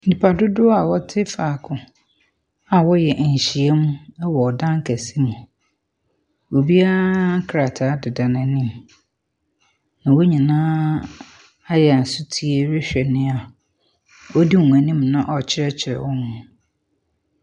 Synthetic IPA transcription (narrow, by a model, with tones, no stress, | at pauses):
n̩˨dɪ˨pʰa˨dʊ˦dʊ˦a˨wɔ˦tʰɪ˦faː˨kʰʊ̃˨ | a˨wɔ˦jɛ˨ʔɲ̩˨ɕi˨e˦mũ˦wɔ˨dã˦ŋ˦kʰæ˨si˦nʊ̃˨ | wo˨bi˦a˦kʰɾa˨tʰa˨˦dɪ˨dã˨nã˨˦nĩ˦˨m | nã˨wo˦ɲĩ˨nãː˦ | a˦jɛ˨a˨n̩˨sʊ˦tʰi˦e˦ɾɪ˦ɕᶣɛ˨nɪ̃˦a˨ | wɔ˦di˦ŋũ˨æ˨nĩ˦mnã˦ʔɔ˨t͡ɕʰɪ˦ɾɛ˦t͡ɕʰɪ˨ɾɛ̰˨wɔ˦nʊ̃˨